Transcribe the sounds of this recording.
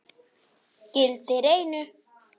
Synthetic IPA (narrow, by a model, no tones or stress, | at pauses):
kelt̪eɾejny